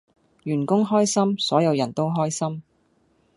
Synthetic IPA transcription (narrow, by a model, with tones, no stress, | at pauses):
jyː˨˩nkʊ˥ŋɦɔː˥jsɐ˥msɔː˨˥jɐ˨˧wjɐ˨˩nt̪o˥wɦɔː˥jsɐ˥m